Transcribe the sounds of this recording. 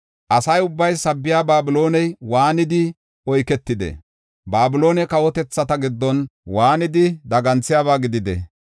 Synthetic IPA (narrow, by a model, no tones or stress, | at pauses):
ʔɐsɐjʊbːɐjsɐbːɪjaːbaːbɪlo̞ːnɛjwaːnɪd̪ɪ | ɔjkɛt̪ːɪd̪ɛ̰ | baːbɪlo̞ːnɛkɐwɔt̪ɛt͡sːɐt̪ɐɡɪd̪ːɔnwaːnɪd̪ɪd̪ɐɡɐnt͡sːɪjaːβaːɡɪd̪ɪd̪ɛ̰